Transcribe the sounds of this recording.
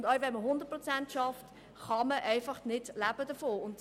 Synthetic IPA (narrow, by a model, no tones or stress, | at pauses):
ndœʏʋɛnməɦʊndət̚pɾɔt͡sæntʃɑft | χɑməʔɛɪfɑχnɪdlæb̥əd̥əfoːʊnd